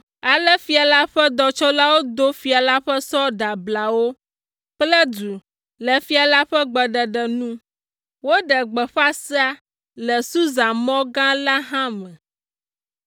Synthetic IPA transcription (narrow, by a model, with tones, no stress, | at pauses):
a˨lɛ˦fi˨a˨la˦ɸɛ˦d̪ɔ˨t͡ʃɔ˦la˦wo˦d̪o˦fi˨a˨la˦ɸɛ˦sɔ˦ɖa˨bla˨wo˦ | k͡plɛ˦du˨ | lɛ˨fi˦a˨la˦ɸɛ˦ɡ͡bɛ˨ɖɛ˨ɖɛ˨nũ˦ | wo˦ɖɛ˨ɡ͡bɛ˨ɸa˦si˦a˦ | lɛ˨su˦za˨mɔ̃˦ɡã˦la˦ɦã˦mɛ̃˨